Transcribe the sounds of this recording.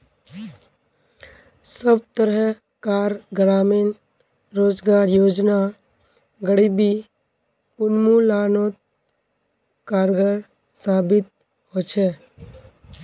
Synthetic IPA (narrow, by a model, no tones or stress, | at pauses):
səb̚t̪əɾɛ | kaːɾɡɾaːmin | ɾoːd͡ʒɡaːɾjoːd͡ʒna | ɡəɽibi | ʊnmulaːnoːt̪̚ | kaːɾɡəɾ | saːbɪt̪̚ | ɦoːt͡ʃʰeː